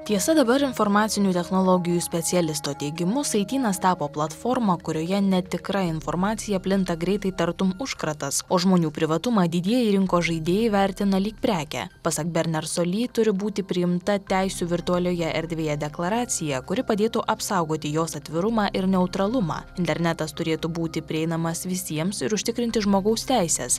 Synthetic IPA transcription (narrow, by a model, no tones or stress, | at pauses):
t̪ʲiɛsɐd̪ɐbɐɾɪnfoɾmɑːt̪sʲɪnʲuːt̪ʲɛxnolˠoːɡʲɪjuːsʲpʲɛt̪sʲɛlʲɪst̪oːt̪ʲɛɪɡʲɪmʊsɐɪt̪ʲiːnɐst̪ɑːpoːplˠɐt̪foːɾmokʊɾʲoːjɛnʲɛt̪ʲɪkɾɐɪnfoɾmɑːt̪sʲɪjɛpʲlʲɪnt̪ɐɡɾʲɛɪt̪ɐɪt̪ɐɾt̪ʊmʊʃkɾɐt̪ɐsoːʒmoːnʲuːpʲɾʲɪʋɐt̪ʊmɑːd̪ʲɪd̪ʲiɛjɛɾʲɪŋkoːʒɐɪd̪ʲeːjɪʋʲæɾʲt̪ʲɪnɐlʲiːk̚pʲɾʲæːkʲæ̰pɐsɐkbʲɛɾʲnʲɛɾsoːlʲiːt̪ʊɾʲɪbuːt̪ʲɪpʲɾʲɪjɪmt̪ɐt̪ʲæɪsʲuːʋʲɪɾt̪ʊɐlʲoːjɛʔɛɾʲd̪ʲʋʲeːjɛd̪ʲɛklˠɐɾɑːt̪sʲɪjɛkʊɾʲɪpɐd̪ʲeːt̪uʔɐpsɑʊɡoːt̪ʲɪjoːsɐt̪ʲʋʲɪɾʊmɑːʔɪɾnʲɛʊt̪ɾɐlˠʊmɑ̰ːɪnʲt̪ʲɛɾʲnʲɛt̪ɐst̪ʊɾʲeːt̪ubuːt̪ʲɪpʲɾʲɪɛɪnɐmɐsʋʲɪsʲiɛmsɪɾʊʃʲt̪ʲɪkɾʲɪnʲt̪ʲɪʒmoːɡɐʊst̪ʲæɪsʲɛ̰ːs